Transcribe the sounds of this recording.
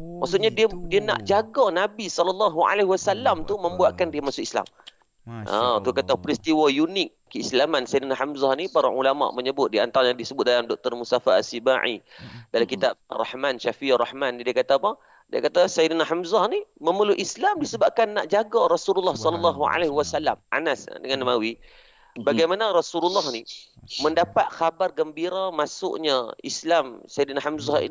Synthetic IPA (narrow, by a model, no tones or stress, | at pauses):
maʔksuʔɲadiədiəna̰ʔd͡ʒaɡanabisɔlɔlːɑɦua̰laɦiwasalamt̪umə̃mbuaʔ̪kandiəmaʔsʊʔisla̰m | ʔa̰t̪ukat̪apɾist̪iwajunɪk̚ːəislamansajdənaɦamzahnipaɾa̰ʔulama̰ʔməɲəbʊt̪̚dia̰nt̪aɾaɲadisəbʊt̪̚dalamdɔk̚t̪ərmust̪afaasibaʕḭdalamkit̪ap̚rɑ̰hmanʃafirɑhmanːidiakat̪apa | dia̰kat̪asajidnaɦamzahniməməluʔislamdisəbap̚kanːa̰ʔd͡ʒaɡaɾɔsululːɑhsɔləlːɑɦua̰lehwasala̰mʔa̰nasdəŋanːəmawi | baɡajmanarɔsululːɑhniməndapat̪̚xabarɡəmbiɾamasʊ̰ʔɲaislamsajdnaɦamzahḭ